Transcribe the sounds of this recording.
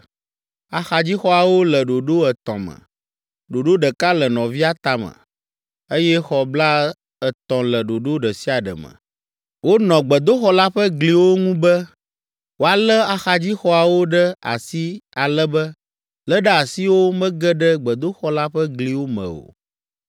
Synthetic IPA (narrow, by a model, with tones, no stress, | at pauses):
a˨xa˨d͡ʑi˦xɔ˦a˨wo˦lə˨ɖo˨ɖo˦ɛ˨t̪ɔ̰̃˨mə̰˨ | ɖo˨ɖo˦ɖə˨ka˦lə˨nɔ̃˨vi˦a˦t̪a˨mə̰̃˨ | ə˦jɛ˦xɔ˨bla˦ | ə˨t̪ɔ̃˨lə˨ɖo˨ɖo˦ɖə˨si˦a˨ɖə̰˨mə̰̃˨ | wo˦nɔ̃˨ɡ͡bə˨d̪o˦xɔ˦la˦ɸə˦ɡli˨wo˦ŋũ˦bɛ˦ | wo˨a˨lɛ˦a˨xa˨d͡ʑi˦xɔ˦a˨wo˦ɖɛ˦a̰˨si˦a˨lɛ˦bɛ˦ | lɛ˦ɖɛ˦a˨si˦wo˦mɛ̃˦ɡɛ˦ɖɛ˦ɡ͡bɛ˨d̪o˦xɔ˦la˦ɸɛ˦ɡli˨wo˦mə̰̃˨o̰˨